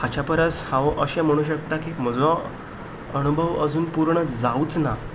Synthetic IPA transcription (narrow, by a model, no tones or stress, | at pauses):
hat͡ɕapəɾəshãʋʔəɕɛ̃m̤əɽ̃uːɕ̬əkt̪akim̤əd͡zɔ | əñubʱəʋəd͡zuːnpuɾɳəd͡zaut͡sna